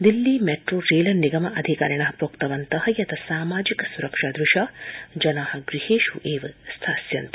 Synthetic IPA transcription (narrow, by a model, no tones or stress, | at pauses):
d̪ilːimeʈɾoːɾeːlɐniɡɐmɐʔɐd̪ʱika̰ːɾɐɳɐɦɐpokt̪ɐʋɐnt̪ɐhɐjɐt̪ʰɐsaːmaːd͡ʒikɐ̥suɾɐkʂaːd̪ɾuʃaːd͡ʒɐnaːhɐ̆ɡɾiheːʃuʔeːʋɐst̪ʰaːsjɐnt̪ɐ̥